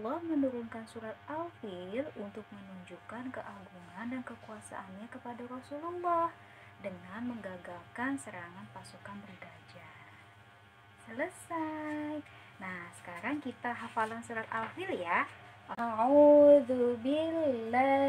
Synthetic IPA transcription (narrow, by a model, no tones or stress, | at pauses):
lːɔhmənuɾunkansuɾat̪̚afɪlunt̪ʊk̚mənuɲd͡ʒukankəʔaɡuŋandankəkuasa̰ʔanɲakəpadarɔsulɔlːɔh | dəŋanməŋɡaɡalkansəɾaŋanpasukanbərɡad͡ʒa | sələsaj | nahsə̥kaɾaŋkit̪aɦafalansuɾat̪afɪlja | ʔauðubila